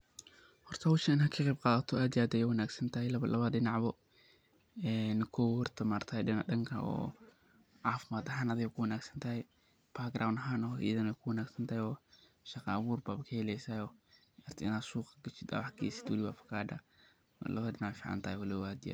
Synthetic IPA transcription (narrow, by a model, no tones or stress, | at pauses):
hɔrt̪ʰɐwʊʃɪnhɐkʰɐqɛjb̚qaːðɐt̪ʰɔaːd̪ɪjaːd̪ɛjɛwɐnaːɡsɐnt̪ʰɐhɛlɐɐlɐβɐdɪnɑʕbɔ | ɛːnkʰɔwhɔrt̪ʰɐmaːrt̪ʰɐːjɗɪnaɗɐŋkʰɐ̰ɔ̰ː | ʕaːfɪmaːd̪ɐɦaːnɐðɪjɐkʰʊwɐnaːɡsɐnt̪ʰɐɦɛj | b̥aɡɾawnɐɦaːnɔːḭðɐnɛjkʰʊwɐnaːɡsɐnt̪ʰɐhɛjɔː | ʃɐqɑːβuːrbaːbɐkʰɐhɛlɛjsaːjɔː | ɐrt̪ʰɪɪnaːd̪suːqɐɡɐt͡ʃɪd̪a̰wħkʰḭːsɪ̥d̪wlɪβa̰fɐ̥kʰaːd̪a̰ | lɐ̰βɐdɪnaʕfiːʕɑ̰nt̪ʰɐːjwɐlɪaːd̪ɪja̰ːd̪